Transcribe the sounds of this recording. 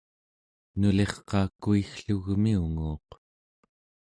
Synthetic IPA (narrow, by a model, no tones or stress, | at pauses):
nule̞χqɑːkuixɬuɣmiuŋuːq